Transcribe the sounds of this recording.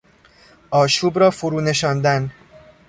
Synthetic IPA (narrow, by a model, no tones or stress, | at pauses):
ʔɒːʃuːbɾɒːfoɾuːne̞ʃɒːnd̪æn